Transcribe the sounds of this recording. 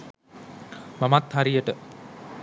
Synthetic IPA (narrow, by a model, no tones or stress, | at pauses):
mamat̪haɾijəʈə